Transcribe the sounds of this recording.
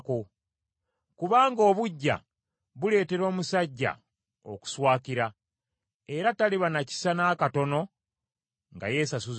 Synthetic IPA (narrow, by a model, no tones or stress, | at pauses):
ko̞ | kuβaːŋɡo̞ːβuɟːa̰ | βule̞ːte̞ɾo̞ːmusaɟːa̰ | o̞̰ku̥swaːkiɾa | e̞ɾataliβanaci̥sanaːkato̞no̞ | ŋɡa̰je̞ːsasuz